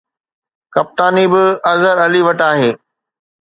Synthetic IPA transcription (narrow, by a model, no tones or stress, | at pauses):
kɐp̚t̪aːnibɪɐzəɾɐliʋɐʈaːɦeː